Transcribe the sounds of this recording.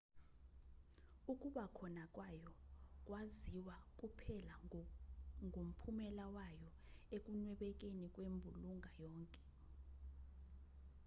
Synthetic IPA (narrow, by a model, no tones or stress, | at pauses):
ukʼuɓakʰɔnakʼwajɔkʼwaziwak̬ʼupʰɛla | ŋʱom̩pʰumɛlawajɔ | ek̬ʼunwɛɓɛk̬ʼenikʼwembʱuluŋʱajɔːŋkʼɛ